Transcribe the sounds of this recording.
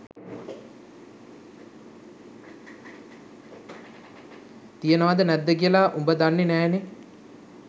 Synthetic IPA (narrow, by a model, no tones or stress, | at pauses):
t̪ijənəʋad̪ənæd̪ːəkijəlaːʔumbəd̪anːenæːne